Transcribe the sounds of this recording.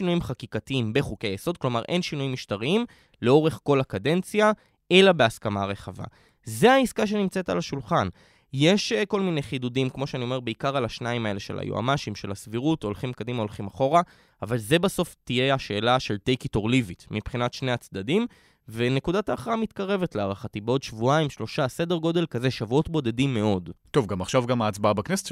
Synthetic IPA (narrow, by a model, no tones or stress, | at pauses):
inujimχakikatiimbeχukejeso̞d̪̚klo̞maʁʔe̞̰nʃinujimːiʃtaʁiim | leo̞ʁe̞χko̞lakade̞nt͡sja | ʔe̞labe̞askamaʁe̞χava̰ | ze̞aiskaʃ̬e̞nimt͡se̞ta̰laʃulχan | je̞ʃko̞lminejχidudimkmo̞ʃeanio̞mebeikaʁalaʃnaimae̞le̞ʃela̰jṵa̰maʃimʃe̞lasviʁuto̞lχimkad̪imaolχimaχo̞ʁa | avalze̞baso̞ftije̞aʃe̞ːlaʃe̞ltejkito̞ʁlivitmipχinatʃne̞jat͡sd̪adim | vene̞kudataːχʁamit̪kaʁe̞ve̞tleaʁaχatibeo̞d̪ʃvuaimʃlo̞ʃase̞de̞ʁɡo̞de̞lkaze̞ʃavuo̞tbo̞de̞dimːe̞o̞dt̪o̞vɡamaχʃavɡamaːt͡sbaabakneset